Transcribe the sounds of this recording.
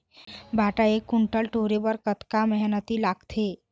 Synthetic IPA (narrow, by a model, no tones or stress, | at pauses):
bʱaːʈaekːʊɳʈəlʈoːɾebəɾkət̪kamɛɦnət̪ilaːɡt̪ʰe